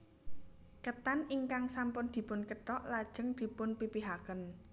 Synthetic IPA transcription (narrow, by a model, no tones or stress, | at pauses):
kət̪aniŋkaŋsampʊnd̪̥i̤pʊnkəʈɔʔlad̥ʒ̥ə̤ŋd̪̥i̤pʊnpipiɦakən